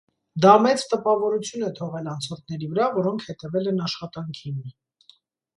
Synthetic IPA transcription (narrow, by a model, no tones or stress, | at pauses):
d̪ɑmɛt͡st̪əpɑvɔɾut͡sʰjunɛt̪ʰɔʁɛlɑnt͡sʰɔɾt̪ʰnɛɾivəɾɑvɔɾɔŋkʰhɛt̪ɛvɛlɛnɑʃχɑt̪ɑŋkʰimi